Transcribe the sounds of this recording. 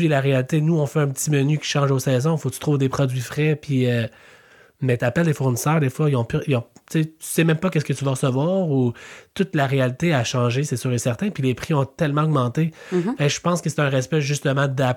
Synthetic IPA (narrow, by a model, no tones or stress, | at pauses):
ilaʁealit̪enuɔ̃fɛɛ̃pətt͡simənykʲi̥ʃɑ̃ʒosɛːzɔ̃fot̪y̥t̪ʁuːvd̪epχɔdd͡z̪ɥifʁɛpʰiø | mɛt̪apɛld̪efuʁnisœːʁd̪efwailɔ̃pyilɔ̃t͡set̪y̥sɛmɛ̃mpʌkʲɛskət̪yvaʁəsəvwɑːʁut̪ʊt̪laʁealit̪eaʃɑ̃ʒesɛsyːʁesɛʁt̪ɛ̃pilepχiɔ̃t̪ɛlmɑ̃ɔɡmɑ̃t̪ebɛʒəpɑ̃skəse̥t̪ɛ̃ʁɛspɛʒyst̪əmɑ̃d̪a